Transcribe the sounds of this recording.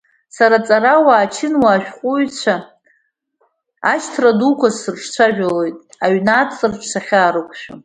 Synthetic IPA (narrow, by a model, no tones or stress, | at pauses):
saɾat͡sʼaɾawaːt͡ʃʰɪnwaːʃᶣqʷʼʊɥt͡ɕʷʰa | aʃtʰradukʷʰasɨrʈ͡ʂʰt͡ɕʷʰaʒᶣalo̞jtʼaɥnat͡sʼɨrʈ͡ʂʰsaχʲaːɾɨkʷʰʼʃᶣʊ